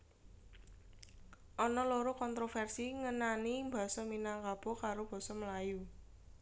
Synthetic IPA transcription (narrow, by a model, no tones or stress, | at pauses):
ʔɔnɔloɾokɔnt̪ɾofɛrsiŋənanimba̤sɔminaŋkab̥ɔ̤kaɾob̥a̤sɔməlaju